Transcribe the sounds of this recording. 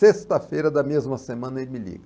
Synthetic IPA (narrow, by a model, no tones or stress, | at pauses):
est̪ɐfejɾɐd̪ɐmezmɐsemɐ̃nɐɪmɪlḭɡɐ